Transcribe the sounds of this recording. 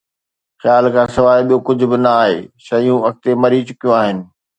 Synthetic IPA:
xjaːlkʰãːsɐʋaːɪɓijokʊd͡ʑʱʊ̆bɪnɐaːɦḛːʃɐjũɐk̚t̪emɐɾit͡ɕʊkijõaːɦɪnɪ̆

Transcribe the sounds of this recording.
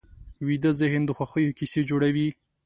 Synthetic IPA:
wid̪əzɪhnd̪əxwaxəjokised͡ʒoɽawi

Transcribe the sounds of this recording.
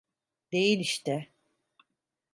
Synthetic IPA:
d̪̥e̞jilʲiʃt̪ɛ

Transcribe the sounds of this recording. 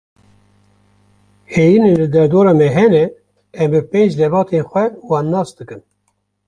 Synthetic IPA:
heːjinelɨd̪ɛɾd̪oːɾɑːmɛɦɛnɛː | mbɨpeːnd͡ʒd̪ɛvɑːt̪enxʷɛwɑːnːɑːsd̪ɨkɨn

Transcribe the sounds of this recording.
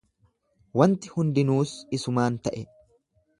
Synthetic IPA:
wɐnt̪ɪhʊnd̪ɪnuːsɪsʊmaːnt̪ɐʔɛ

